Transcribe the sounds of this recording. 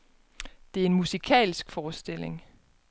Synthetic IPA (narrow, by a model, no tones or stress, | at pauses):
d̥e̝æɐe̝nmusikʰɛ̰ːlsɡ̥fɒːsd̥e̝l̰e̝ŋ